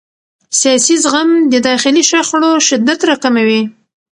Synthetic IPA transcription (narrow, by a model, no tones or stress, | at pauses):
sjɑsizɣamd̪əd̪ɑxɪliʃaxɽoʃɪd̪ːat̪ɾɑkamawi